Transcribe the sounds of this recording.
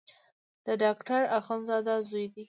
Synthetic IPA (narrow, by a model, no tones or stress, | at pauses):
d̪̥əɖɑkʈaɾaxonzɑd̪azujd̪i